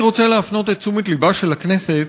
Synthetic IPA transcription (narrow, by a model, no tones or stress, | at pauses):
ʁo̞t͡seleafno̞t̪et͡sumit̪libaʃe̞lakne̞set̪